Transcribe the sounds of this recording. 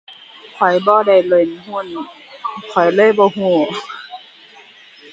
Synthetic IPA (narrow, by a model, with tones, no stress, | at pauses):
kʰɔ˨˩jbɔː˧˦da˧˩jlɤ˧˩˨nɦu˧˨n˨ | kʰɔ˨˩jlɤː˧˥˨jbɔː˧˦ɦũː˧˩